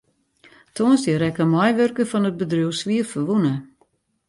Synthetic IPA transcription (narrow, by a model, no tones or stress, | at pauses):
tʰoːnsdəɾɛkəmɔjʋørkəfɔnət̚bədruwsʋiːərfəʋunə